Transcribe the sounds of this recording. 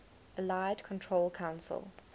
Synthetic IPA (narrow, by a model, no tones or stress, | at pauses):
əlaɪdkʰɔ̃ntʰɹ̥olˠkʰãʊ̃nsə̰lˠ